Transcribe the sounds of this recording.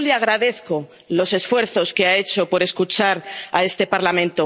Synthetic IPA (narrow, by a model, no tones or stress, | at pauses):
leaɣ̞ɾaðe̞θko̞ | lo̞se̞sfwe̞ɾθo̞ske̞ae̞t͡ʃo̞po̞ɾe̞skut͡ʃaɾae̞st̪e̞paɾlamẽnt̪o